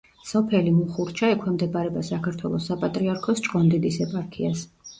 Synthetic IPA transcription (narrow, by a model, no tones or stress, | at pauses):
sɔpʰɛlimuχuɾt͡ʃʰaɛkʰwɛmd̪ɛbaɾɛbasakʰaɾt̪ʰwɛ̰lˠɔsːapʼat̪ʼɾiaɾkʰɔst͡ʃʼqʼɔnd̪id̪isɛpʼaɾkʰias